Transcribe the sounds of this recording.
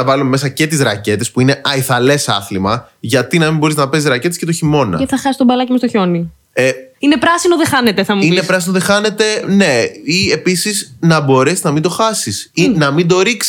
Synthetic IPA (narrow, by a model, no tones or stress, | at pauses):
ɐvɐlumeme̞sɐce̞t̪izɾɐce̞t̪e̞spuine̞ʔɐiθɐle̞sɐ̰θlimɐʝɐt̪inɐmimbo̞ɾiznɐpe̞zizɾɐce̞t̪esce̞t̪oçimo̞nɐ̰eθɐxɐsi̥st̪obɐlɐcimest̪oço̞ni | einepɾɐsinoðexɐne̞t̪eθɐmuinepɾɐsinoðexɐne̞t̪e̞ne̞iepisiznɐbo̞ɾe̞siznɐmind̪o̞xɐsisinɐmind̪o̞ɾiksi